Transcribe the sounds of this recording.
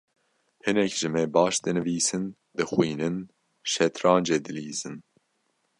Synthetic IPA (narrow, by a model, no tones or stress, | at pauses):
hɨnɛkʒ̥ɨmɛbɑːʃd̪ɨnɨviːsɨn | d̪ɨxwiːnɨn | ʃɛt̪ɾɑːnd͡ʒeːd̪ɨliːzɨn